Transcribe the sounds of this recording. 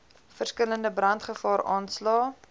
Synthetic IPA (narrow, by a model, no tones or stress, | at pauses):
fərskələndəbrɐntχəfɑːɾɑːnslɑː